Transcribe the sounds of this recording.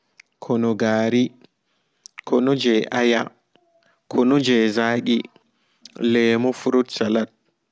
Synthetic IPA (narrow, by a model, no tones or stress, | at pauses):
kʰɔnɔɡaːɾi | kʰɔnɔd͡ʒɛʔaja | kʰɔnɔd͡ʒɛzaːɗi | lɛːmɔfuɾutsalat̚